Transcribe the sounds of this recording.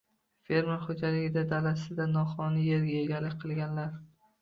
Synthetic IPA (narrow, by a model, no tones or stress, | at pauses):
fe̞ɾmaχod͡ʒalɪɡʲɪd̪ad̪alasɪd̪anɒχɒnɪje̞ɾɡʲajeɡʲaɾlːɪkʲqʰɨlˠɡʲanlaɾ